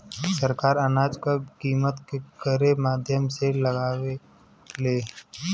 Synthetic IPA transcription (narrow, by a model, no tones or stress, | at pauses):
səɾkaːɾənaːd͡ʒkəkiːmət̪kekəɾemaːd̪ʱjəmseləɡaːʋe | leː